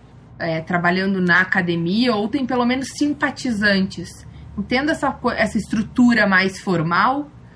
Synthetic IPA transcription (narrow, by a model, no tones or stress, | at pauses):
ɛt̪ɾabaʎɐ̃nd̪ʊnɐakad̪emiɐowt̪ẽj̃pelomẽnʊsːĩmpat͡ʃizɐ̃nt͡ʃɪsĩnt̪ẽnd̪ʊɛsɐkoʔɛsɐɪst̪ɾut̪uɾɐmajsfoɾmaw